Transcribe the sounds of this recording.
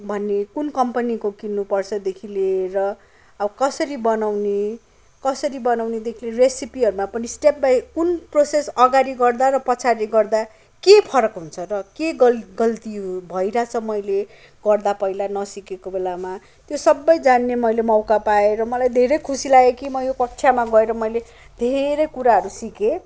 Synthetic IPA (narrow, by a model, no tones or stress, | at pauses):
bʱʌnːekunkʌmpanikokinːupʌrt͡sʰʌd̪ekʰilerʌː | bʌkʌsʌɾibʌnawne | kʌsʌɾibʌnawned̪ekʰileresipiɦʌɾumapʌnisʈep̚bajkunprosesʌɡaɾiɡʌrd̪aɾʌpʌt͡sʰaɾiɡʌrd̪a | kepʰʌɾʌkɦunt͡sʰʌrʌkeɡʌɡʌlt̪iɦubʱʌiɾat͡sʰʌmʌjle | ɡʌrd̪apʌilanʌsikekobelama | t̪josʌbːʌjd͡zanːemʌjlemʌwkapaeɾʌmʌlajd̪ʱeɾʌjkʰusilaekimʌjopʌk̚t͡sʰjamaɡʌeɾʌmʌjle | d̪ʱeɾʌjkuɾaɦʌɾusike